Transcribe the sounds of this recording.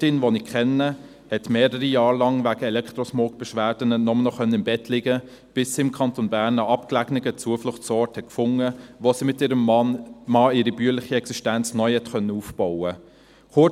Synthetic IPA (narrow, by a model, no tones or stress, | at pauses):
tɪnʋonɪkʰχɛnːə | hɛtmeːɾəɾijɑːɾlɑŋvæɡ̥əɛlɛktʁɔsmokb̥ɛʃʋæːɾd̥ənənɔmənɔχœnːənɪmbɛtlɪɡə | b̥ɪsːiɪmkʰɑntonbæːɾnəɑpklæɡnɪɡət͡suəflʊχtsɔːɾthɛt̚kfʊŋəvosimɪtɪːɾəmmɑːɪːɾibyːəlɪχiɛksiʃtænt͡snœʏhɛtxœnːəuːfb̥ɔwə | χʊ